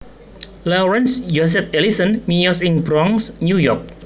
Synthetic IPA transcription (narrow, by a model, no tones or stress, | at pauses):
laɾɛnsd͡ʒos̬ɛp̚elisənmijɔsɪŋbɾɔŋsnujɔrk̚